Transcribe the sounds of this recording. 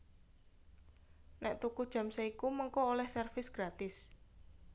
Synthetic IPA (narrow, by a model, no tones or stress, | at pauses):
nɛʔt̪ukud̥ʒ̥ä̤msaikumɔŋkɔolɛhsɛrfɪsɡ̥ɾat̪ɪs